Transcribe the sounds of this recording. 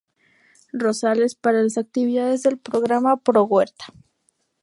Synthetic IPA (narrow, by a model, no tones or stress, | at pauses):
ro̞sale̞spaɾalasak̚t̪iβiðaðezðe̞lpɾoɣɾamapɾoɣwe̞ɾt̪ḁ